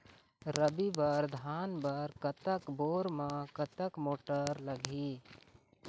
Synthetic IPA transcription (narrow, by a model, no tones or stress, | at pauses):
ɾəbibəɾd̪ʱaːnbəɾkət̪əkboːɾmãkət̪əkmoːʈəɾləɡʱi